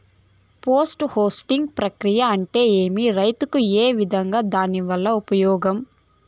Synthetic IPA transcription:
poːsʈhoːsʈiŋɡpɾɐkɾijɐɐɳʈe̞ːeːmiɾɐjt̪ukueːʋid̪ʱɐŋɡaːd̪aːniʋɐlːɐupɐjɔːɡɐm

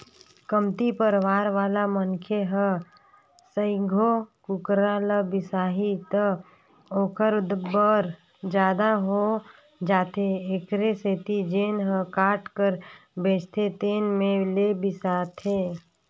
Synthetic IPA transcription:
kəmt̪ipəɾʋaːɾʋaːlamənkʰeɦə | səɪɡʱokʊkɾaːləbɪsaːɦit̪ə | oːkʰəɾd̪bəɾ | d͡ʒjaːd̪aɦo | d͡ʒaːt̪eeːkɾeseːt̪id͡ʒeːnɦə̃kaːʈkəɾbeːt͡ʃt̪ʰet̪eːnmẽlebɪsaːt̪ʰeː

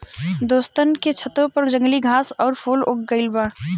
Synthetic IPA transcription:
d̪oːst̪ənket͡ʃʰət̪opəɾd͡ʒə̃ŋɡliɡʱaːsɔːɾpʰoːlok̚ɡəɪlbaː

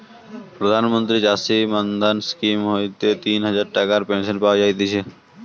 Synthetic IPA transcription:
pɾəd̪ʱaːnmə̃nt̪ɾid͡ʒaːsimand̪anskiːmɦoːjt̪et̪iːnɦəzaːɾʈəkaɾpẽːnsənpaːd͡ʒaːjt̪̬et͡ʃʰe

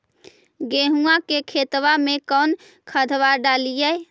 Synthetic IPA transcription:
ɡeɦuakekʰet̪ʋamekən | kʰəd̪ʱʋaɾɖalijɛj

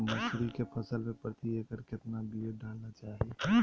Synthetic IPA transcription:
məsɾikepʰəsəlmepɾt̪iekəɾket̪nabieɖʱəɽnat͡ʃaɦi

